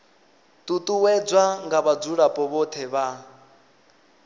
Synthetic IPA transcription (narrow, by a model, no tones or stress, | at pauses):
t̪ʼut̪ʼuwɛd͡zʷwaŋɡaβad͡zuɺapʼɔβɔt̪ʰɛβa